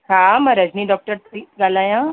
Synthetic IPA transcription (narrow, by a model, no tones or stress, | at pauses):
ɦãməɾəd͡ʒniːɖɔk̚ʈəɾt̪ʰiɡalaːjã